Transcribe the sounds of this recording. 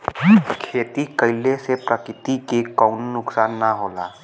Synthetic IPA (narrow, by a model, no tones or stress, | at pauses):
kʰeːt̪ikəɪlesepɾəkɾɪt̪ikekɔʊnːʊksaːnːaɦoːla̰ː